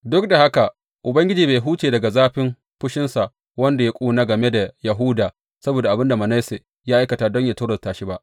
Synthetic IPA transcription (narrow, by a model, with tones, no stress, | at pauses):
dʊ˦k̚da˨ha˦ka˨ | ʔʊ˨bɐ˦ŋɡʲɪ˦d͡ʒiː˨beː˨jɦuː˦t͡ʃeː˨dɐ˨ɡa˨zaː˦ɸɪ˦m | ɸʊ˦ʃɪ˦nsa˨ʔ | wɐ˦nda˨ja˦kʷʼuː˦naː˦ɡɐ˨me˦da˨jɐ˨ɦʊ˦daː˨ | sɐ˦boː˨da˨ʔa˨bɪ˦nda˨mɐ˨na˦se˨ | jaː˦ʔa˦jkɐ˨taː˨dɔ˦ɲja˨tʊː˦ɽɐ˨taː˨ʃi˦ba˦ʔ